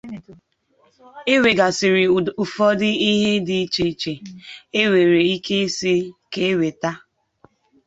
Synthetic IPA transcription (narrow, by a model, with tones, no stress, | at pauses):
e˦we˨ɡa˨sɪ˨ɾɪ˨u˨fɔ˦dɪ˦i˦ɦe˦dɪ˨˦t͡ʃe˦t͡ʃe˨e˦we˨ɾe˨i˦ke˦se˦ke˦we˨ta˦